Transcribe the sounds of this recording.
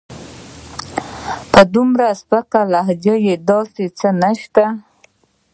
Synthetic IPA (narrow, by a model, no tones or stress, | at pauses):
pəd̪umɾaspəkalaɦd͡ʒajed̪ɑset͡sənaʃt̪a